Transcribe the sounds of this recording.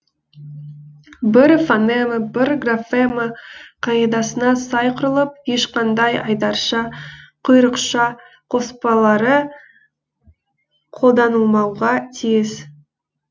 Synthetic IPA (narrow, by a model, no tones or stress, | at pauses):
bɪɾfaneməbɪɾɡrafeməqʰɑjed̪ɑsənɑsɑjqʰʊɾəlˠəp̚je̞ʃqɑnd̪ɑjɑ̰jd̪ɑɾʃɑqʰʊjɾəqʃɑ | qʰo̞spɑlˠɑɾə | qʰo̞lˠd̪ɑnəlˠmɑwʁɑt̪ʰijɪz